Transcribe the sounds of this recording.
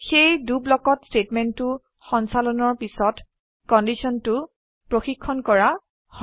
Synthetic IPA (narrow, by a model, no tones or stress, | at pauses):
xejdublɔkɔtstetmɛntʊ | xɔnsalɔnɔɹpisɔt | kɔndisɔntʊ | pɹoxikʰːɔnkɔɹa | h